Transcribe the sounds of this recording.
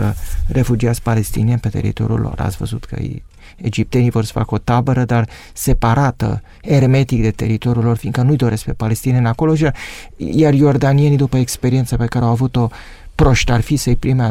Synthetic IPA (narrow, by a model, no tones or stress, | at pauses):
əre̞fud͡ʒiat̪s̚pale̞st̪inienpe̞t̪e̞̰ɾḭt̪o̞̰ɾʲiṵlʔo̰ɾa̰t̪sʲvə̰zut̪kʰə̰ | ed͡ʒip̚t̪e̞nivo̞rsə̥fa̰kəo̞t̪abəɾəd̪ar | se̞paɾat̪ə̰ | e̞rme̞t̪ik̚d̪e̞t̪e̞̰ɾit̪o̞ɾʲjulo̞rfiŋɡkənujd̪o̞ɾe̞sk̚pe̞pale̞st̪inienʲako̞lo̞ʃiar | jarjo̞rd̪anienid̪upəekspe̞ɾient̪səpe̞kaɾeawavut̪o̞ | pɾo̞ʃt̪arfisəjpɾimea